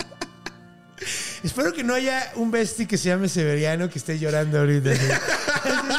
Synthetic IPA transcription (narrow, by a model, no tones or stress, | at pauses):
espe̞ɾo̞ke̞no̞aʝaumbe̞st̪ikeseʝame̞se̞βeɾjano̞keːst̪eʝo̞ɾand̪oaoɾit̪̬asie